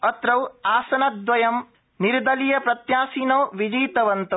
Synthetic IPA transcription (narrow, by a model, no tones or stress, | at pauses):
ɐt̪ɾɐwaːsɐnɐd̪ʋɐjɐm | niɾd̪ɐlijɐpɾɐt̪jaːsiːnoːʋid͡ʒiːt̪ɐʋɐnt̪ɐ